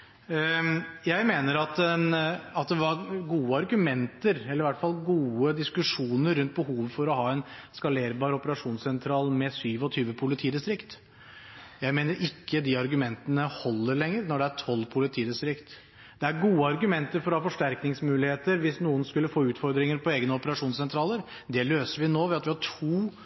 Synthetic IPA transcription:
jæɪmeːnəɾɑt̪ɛnɑt̪̚d̪ɛʋɑɾɡuːəɑɾɡʉmɛnt̪əɾɛləɾɪʋæʈːfɑlɡuːəd̪ɪskʉʂuːnəɾːʉnt̪̚bəɦuːʋfɔɾɔɦɑːɛnskɑleːɾbɑːɾɔpəɾɑʂuːnsɛnt̪ʰɾɑːlmɛsyːʋɔt̪ʰyːʋəpʰʊlɪt̪ʰiːd̪ɪst̪ɾɪkt̪ | jæɪmeːnəɾʔɪkːəd̪iɑɾɡʉmɛnt̪ənəhɔlːəɾɭɛŋːəɾnɔɖɛæʈʰɔlːpʰʊlɪt̪ʰiːd̪ɪst̪ɾɪkt̪ | d̪̥ɛæɾɡuːəɑɾɡʉmɛnt̪əɾfɔɾɔhɑːfɔʂʈæɾknɪŋsmʉːlɪheːt̪əɾʋɪsnuːənskʉlːəfoːʉːt̪fɔɾd̪ɾɪŋəɾpʰɔeːɡənəɔpəɾɑʂuːnsɛnt̪ʰɾɑːləɾ | d̪ɛløːsəɾʋɪnoːʋɛɑt̪ʋɪhɑʈʰuː

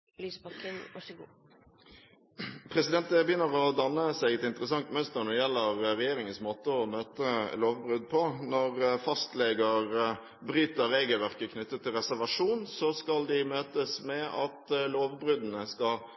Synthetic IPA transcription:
lyːsbɑʋɑʃɡuː | pʰɾɛsɪd̪ɛnt̪əbjʏnːəʁɔd̪ɑnːəsæɪɡɛt̪ɪnt̪əɾəsɑŋt̪mœnst̪əɾnɔɪjɛlːəʁɾɛjeːɾɪŋənsmoːt̪əɔmøːt̪əloːʋbʁʉd̪̚pʰɔnɔʁfɑst̪lɛɡəʁ | bɾyːt̪əɾeːɡəlʋæʁkəkʰnʏt̪ːət̪ʰːɪlʁɛsæʁʋɑʂuːnsɔskɑld̪ɪmøːt̪əsmɛɑt̪loːʋbʁʉd̪nəskɑ

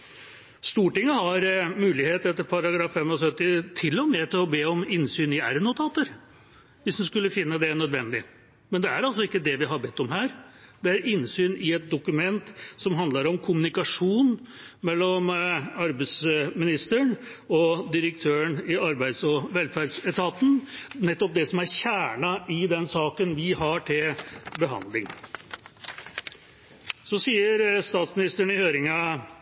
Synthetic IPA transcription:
st̪uːʈɪŋːəhɑɾmʉːlɪheːt̪ɛt̪ːəɾpʰɑɾɑɡɾɑːfɛmːɔsœt̪ːɪt̪ʰɪlːɔmɛt̪ʰɪlɔbeːɔmɪnsyːnɪæɾənːʊt̪ʰɑːt̪əɾ | ʋɪsd̪ɛnskʉlːəfɪnːəd̪ɛnœd̪ʋɛnːd̪ɪ | mɛnd̪ɛæɾɑlsɔɪkːəd̪ɛʋɪɦɑɾbɛt̪ːɔmɦæːɾd̪̥ɛæɾɪnsyːnɪɛt̪̚d̪ʊkʉmɛnt̪sɔmɦɑnd̪lɑɾɔmkʰʊmʉnɪkɑʂuːnmɛlːɔmɑɾbæɪsmɪnɪst̪əɳ | ɔd̪ɪɾək̚t̪ʰøːəɳɪɑɾbæɪd̪sɔʋɛlfæɖsɛt̪ʰɑt̪n̩nɛt̪ːɔp̚d̪ɛsɔmæɾçæːɳɑʔɪd̪ɛnsɑːkənʋɪɦɑʈʰɪlbəɦɑ̰nd̪lɪŋ | sɔsiːəɾst̪ɑːt̪smɪnɪst̪əɳɪhøːɾɪŋɑ

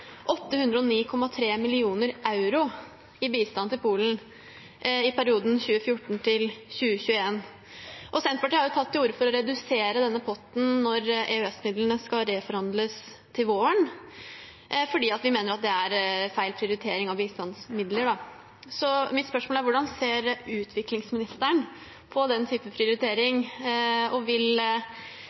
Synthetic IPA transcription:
ʔɔt̪ːəhʉnd̪ɾəɔniːkʰɔmːɑt̪ʰɾeːmɪlɪuːnəɾʔɑʉɾʊ | ɪbiːst̪ɑnt̪ʰɪlpʰuːln̩ | ɪpʰæɾɪuːd̪n̩çʉːəfjʊʈːɳ̩t̪ʰɪlçʉːəçʉːəeːn | ʔɔsɛnt̪̚pɑʈiːhɑɾjʊt̪ʰɑlt̪ːɪuːɾəfɔɾɔɾɛd̪ʉseːɾəd̪ɛnːəpʰɔt̪ːn̩nɔɾɛʉɛsmɪd̪lənəskɑɾefɔɾhɑnd̪ləs | t̪ʰɪlʋoːəɳ | fɔɖiːɑt̪ʋɪmeːnəɾɑt̪̚d̪ɛæɾfæɪlpʰɾɪʊɾɪt̪ʰeːɾɪŋɑʋist̪ɑnsmɪd̪ləɖɑ | sɔmɪt̪spœʂmoːlæɾʋʊɖɑnseːɾʉːt̪ʰʋɪklɪŋsmɪnɪst̪əɳ | pʰɔd̪ɛnt̪ʰyːpəpʰɾɪʊɾɪt̪ʰeːɾɪŋ | ɔʋɪl

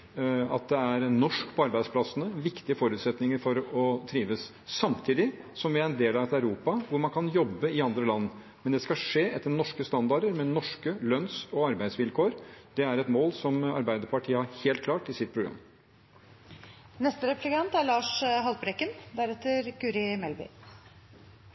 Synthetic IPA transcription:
ɑt̪̚d̪ɛæɾnɔʂkpʰɔɑɾbæɪd̪splɑsənəʋɪkt̪ɪəfɔɾʉːt̪sɛt̪nɪŋəɾfɔɾɔt̪ʰɾiːʋəs | sɑmt̪ʰiːd̪ɪsɔmʋɪæɾɛnd̪eːlɑʋɛt̪æʉɾuːpɑʋʊɾmɑnkʰɑnjɔbːəɪɑnd̪ɾəlɑnː | mɛnd̪ɛskɑʂeːʔɛt̪ːənɔʂkəst̪ɑnd̪ɑɖəɾmɛnɔʂkəlœnsɔɑɾbæɪd̪sʋɪlkʰoːɾd̪̥ɛæɾɛt̪moːlsɔmɑ̰ɾbæɪd̪əɾpɑʈʰiːəhɑɾheːlt̪̚kʰlɑːʈɪsɪt̪̚pʰɾʊɡɾɑ̰mː | nɛst̪əɾɛplɪkɑnt̪ælɑːʂɦɑlt̪̚bɾɛkənd̪æɾɛt̪ːəɾkʉɾɪmɛlbɪ̰

